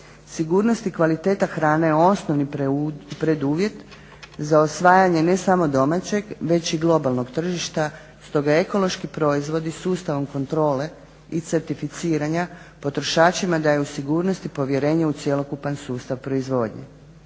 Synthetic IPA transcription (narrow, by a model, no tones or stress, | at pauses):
siɡuːɾno̞st̪ikʋalit̪e̞ːt̪axɾaːnejeo̞snoʋnipɾe̞d̪uːʋje̞t̪ | zaosʋaːjaɲe̞ne̞samo̞d̪o̞mat͡ɕe̞ɡʋe̞t͡ɕiɡlˠo̞balˠno̞ɡt̪r̩ʒiʃt̪a | st̪o̞ɡaeko̞lo̞ʃkipɾo̞izʋo̞d̪isuːst̪aʋo̞mkont̪ɾo̞ːle̞ | it̪se̞ɾt̪ifit̪siːɾaɲapo̞t̪ɾo̞ʃaːt͡ɕimad̪ajeusiɡuːɾno̞st̪ipo̞ʋje̞ɾe̞ːɲeut̪sje̞lo̞kupansuːst̪aʋpɾo̞izʋo̞ːd̪ɲḛ